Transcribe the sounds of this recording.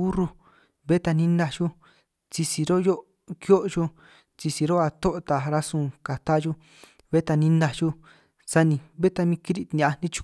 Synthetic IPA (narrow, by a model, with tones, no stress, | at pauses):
u˦ru˧ | βe˦t̪a˧nĩ˦na˧ʒu˦ | t͡si˧si˧ɾo˦jo˦ | kjo˦ʔʒo˦ | t͡si˧si˧ɾo˦a˧t̪o˦ʔt̪a˨ɾa˧sũ˧˨ka˨t̪a˦ʒu˦ | βe˦t̪a˧nĩ˦na˧ʒu˦ | sa˧nĩ˧βe˦t̪a˧mĩ˧ki˦ɾi˦˧t̪nĩ˧a˧˨nĩ˦t͡ʃu̥˧